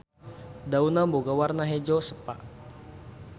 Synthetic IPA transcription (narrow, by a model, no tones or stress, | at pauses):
daunamboɡawarnaɦed͡ʒosəpaʔ